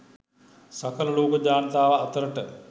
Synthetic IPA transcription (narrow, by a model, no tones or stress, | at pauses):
sakələloːkəd͡ʒaːnət̪aːʋəːt̪əɾəʈə